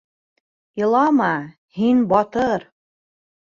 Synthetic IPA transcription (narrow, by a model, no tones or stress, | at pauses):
jɤ̆lˠɑmɑ | hinbɑt̪ɤɾ